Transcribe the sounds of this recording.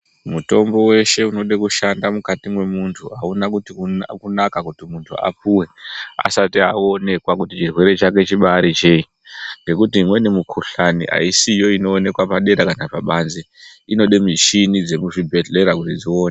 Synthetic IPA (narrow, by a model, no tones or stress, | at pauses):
muto̞mbo̞we̞ʃe̞uno̞ɗekuʃandamukatimwe̞muntʰuaunakutikunakakutimuntʰṵa̰puwe̞a̰satiao̞ne̞kwakutit͡ʃirwe̞ɾe̞t͡ʃak̬e̞t͡ʃiɓaɾit͡ʃe̞i | ŋɡe̞kutiimwe̞nemukʰuɬanḭa̰isijo̞ino̞ːne̞kwapaɗe̞ɾakanapaɓaːnze | ino̞ɗe̞mit͡ʃinid͡ze̞muʐibʱe̞ɮe̞ɾakutid͡zio̞ːne